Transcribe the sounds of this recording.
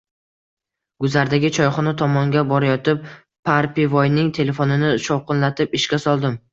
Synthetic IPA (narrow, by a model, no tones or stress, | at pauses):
ɡ̥ʊzaɾd̪aɡʲɪt͡ʃʰɒjχɒnɪt̪ʰɒmɒŋɡʲabɒɾajɒt̪ɪp̚ | pʰaɾpivojnɪŋt̪ʰe̞le̞fonɪnɪʃɒwqɨnlat̪ʰɪpɪʃkʲasɒlˠd̪ɪm